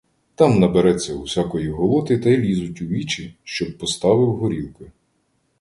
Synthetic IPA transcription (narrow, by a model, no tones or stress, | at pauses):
t̪ɑmnɐbeɾɛt͡sʲːɐuwsʲakɔjiɦɔlˠɔt̪ɪt̪ɐjlʲizʊtʲuʋʲit͡ʃiʃt͡ʃɔb̚pɔst̪ɑʋɪwɦɔɾʲilˠkɪ